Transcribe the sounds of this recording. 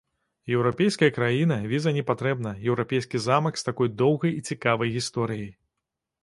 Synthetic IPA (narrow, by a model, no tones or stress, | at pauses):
jɛwɾapʲejskɐjɐkɾajin̪ɐvʲizɐnʲɛpat̪ɾɛbnɐjɛwɾapʲejskʲizamɐkst̪akɔjd̪ɔwɣɐjit͡sʲikavɐjɣʲist̪ɔɾɨjij